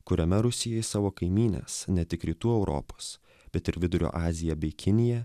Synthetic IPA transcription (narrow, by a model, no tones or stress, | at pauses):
kʊɾʲɛmʲɛɾʊsʲɪjɛjɪsɑːʋoːkɐɪmʲiːnʲḛːsnʲɛt̪ʲɪkɾʲiːt̪uːɛʊɾʔo̰ːpoːs | bʲɛt̪ɪɾʋʲɪd̪ʊɾʲo̰ːʔɑːzʲɪjɛbʲɛɪkʲɪnʲɪjɛ